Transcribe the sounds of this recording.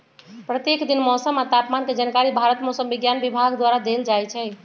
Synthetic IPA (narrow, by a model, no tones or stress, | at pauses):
pɾət̪jekd̪inmɔsəmat̪apmanked͡ʒənkaɾibʱaɾət̪mɔsəmbiɡjanbibʱaɡd̪waɾad̪eld͡ʒajt͡ʃʰɛ